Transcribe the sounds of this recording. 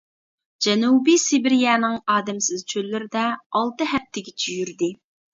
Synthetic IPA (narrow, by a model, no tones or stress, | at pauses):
d͡ʒɛnubisɪbɪɾjɑːnɪŋɑːd̪ɛmsɪz̥t͡ʃʰølːɪɾɪd̪ɛɑlˠt̪ɨɦɛf̚t̪ʰɪɡʲɛt͡ʃʰyjyɾd̪ɪ